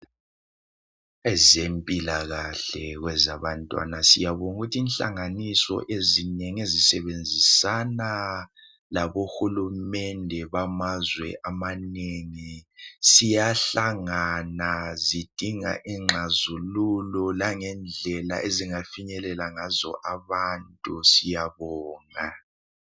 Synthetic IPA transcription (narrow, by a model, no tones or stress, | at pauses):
ɛzempʼilaɣaɬɛɣwɛzaβantʼwa̰nasijaβɔnuɣutʰiːnɬa̰ŋanisɔ̰ʔezineŋezisɛβend͡zʱisana | laβoxulumɛndʱɛβamazwɛ̰ʔamaneŋisijaɬaŋanazid̥ʱiŋa̰ʔiŋ͡ǁʱazululɔlaŋɛnd͡ɮʱɛla̰ʔeziŋafiɲɛlɛlaŋazɔ̰ʔaβantʼusijaβɔːŋa